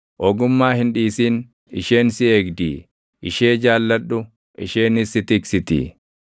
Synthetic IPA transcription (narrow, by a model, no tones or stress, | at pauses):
ʔɔɡʊmːaːhɪnᶑiːsiːn | ɪʃeːnsɪeːɡd̪ḭː | ʔɪʃeːd͡ʒaːlːɐᶑʊ | ʔɪʃeːnɪsːɪt̪ɪksɪt̪ɪ̰